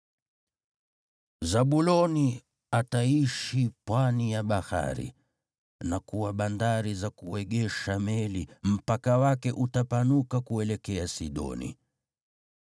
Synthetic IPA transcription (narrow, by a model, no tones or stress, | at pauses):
zaɓulɔni | ataiʃipwanijaɓaha̰ɾḭ | nakuwaɓandaɾizakuwɛɠɛʃamɛlim̩pakawakɛʔutapanukakuɛlɛkɛasiɗɔ̰nḭ